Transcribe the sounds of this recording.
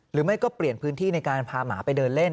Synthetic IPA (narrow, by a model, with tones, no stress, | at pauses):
ɾɯː˩˦˥ma˥˩jkɔː˥˩pli˨˩ənpʰɯː˦˥nt̪ʰiː˥˩na˧jkaː˧npʰaː˧ma̰ː˩˦pa˧jdɤː˧nle˥˩n